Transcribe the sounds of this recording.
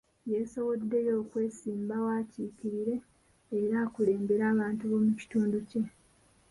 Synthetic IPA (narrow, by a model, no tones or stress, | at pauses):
jeso̞βo̞dːe̞jo̞ːkwe̞ːsiːmbawaːciːkiɾiɾe̞ː | ɾaːkule̞ːmbe̞ɾaːβaːntuβo̞muci̥tuːnduce̞